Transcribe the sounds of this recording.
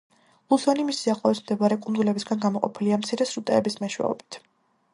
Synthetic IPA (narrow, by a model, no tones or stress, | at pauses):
usɔnimisiaχlˠɔismd̪ɛvaɾɛkʼund̪zulɛbisɡanɡamɔqʼɔpʰiliamt̪sʰiɾɛsɾut̪ʼɛːbismɛʃwɛ̰ɔ̰bi̥t̪ʰ